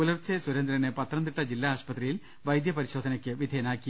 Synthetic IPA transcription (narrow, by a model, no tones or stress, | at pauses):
ulɐrt͡ɕeswuɾɐnd̪ɾɐnepɐt̪rɐnd̪iʈːɐd͡ʑilːaaːɕpɐt̪rijil | ʋɐjd̪jɐpɐɾiɕo̞ːd̪ʱɐnɐkʲːɨʋid̪ʱeɐnaːkːi